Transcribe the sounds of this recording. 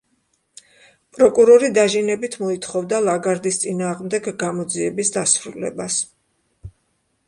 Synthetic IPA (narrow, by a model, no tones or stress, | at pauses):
pʼɾɔkʼuɾɔɾid̪aʒinɛbit̪ʰmɔit̪ʰχɔvd̪alˠaɡaɾd̪ist̪sʼinaːʁmd̪ɛɡɡamɔd̪ziɛbisd̪asɾulɛ̰bas